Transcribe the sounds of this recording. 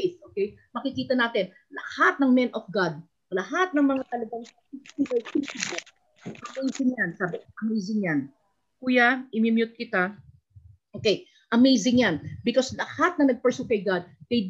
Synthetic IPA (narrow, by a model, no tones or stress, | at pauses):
soːkejmɐkɪkiːt̪ɐnaːt̪ɪn | lɐ̰hat̪̚nɐŋmɛnʔɔfɡad̪̚ | lɐhat̪̚nɐŋmɐŋak̪ɐlɐɡaŋɐfit̪ibɛfitibɛ | ʔɐmejsɪŋjansaːbɪʔɐmejzɪŋjan | kuːjaʔɪmɪmjʊt̪̚kɪt̪a | ʔoːkej | ʔɐmejzɪŋjanbɪkoslɐhat̪̚nɐŋnɐɡ̚pɛɹsʊkɐjɡad̪̚d̪ɐj